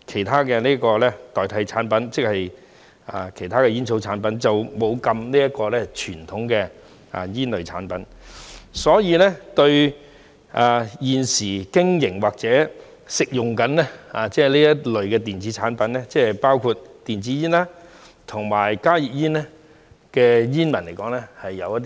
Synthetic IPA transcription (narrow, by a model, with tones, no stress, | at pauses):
kʰe˨˩jt̪ʰaː˥kɛː˧niː˥kɔː˧lɛː˥t̪ɔː˨jt̪ʰɐ˨˧˥jt͡sʰaː˨˥npɐ˨˥nt͡sɪ˥k̚hɐ˨j | a̰˨˧kʰe˨˩jt̪ʰaː˥kɛː˧jiː˥nsʰo˨˧wt͡sʰaː˨˥npɐ˨˥nt͡sɐ˨wmo˨˧wkɐ˧mniː˥jɐ˥t̚kɔː˧lɛː˥t͡ʃʰyː˨˩nt̪ʰʊ˨˥ŋkɛː˧ | a̰˨jiː˥nlɵ˨ɥt͡sʰa̰ː˨˥npɐ˨˥n | sɔː˨˥jiː˧lɛ˥t̪ɵ˧ɥ | ʔaː˨jiː˨nsiː˨˩kɪ˥ŋjɪ˨˩ŋwaː˨k̚t͡sɛː˨˥ | sɪ˨k̚jʊ˨ŋkɐ˨˥nlɛ˥aː˨t͡sɛː˥liː˥jɐ˥t̚lɵ˨˩ɥkɛː˧t̪̬iː˨˩nt͡siː˨˥t͡sʰaː˨˥npɐ˨˧˥nlɛː˥t͡sɛː˥˨paː˥wkʰuː˧t̪̚t̪ːiː˨nt͡siː˨˥jiː˥nlaː˥ | t̪ʰʊ˨˩ŋmaː˨˩jkaː˥ji˨p̚jiː˥nlɛ˥ | kɛː˧jiː˥nmɐ˨˩nle˨˩jkɔː˨˥ŋlɛ˥hɐ˨jːɐ˨˧wjɐ˥t̪̬̚ː